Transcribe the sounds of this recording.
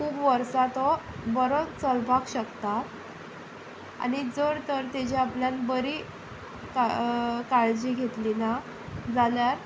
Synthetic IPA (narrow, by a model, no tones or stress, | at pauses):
kuːbʋəɾsat̪ɔbəɾont͡səlbʱakɕəkt̪at̪ | a̰ñid͡zəɾt̪əɾt̪ed͡ʑeapljanbəɾi | kakaɭd͡ʑiɡʱet̪lina | d͡zaljaɾ